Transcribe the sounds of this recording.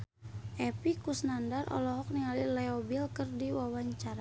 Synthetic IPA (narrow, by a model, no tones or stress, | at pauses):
ʔɛpikusnandarʔɔ̰lɔɦɔk̚niŋalilɛobilkərdiwawaɲt͡ʃaɾa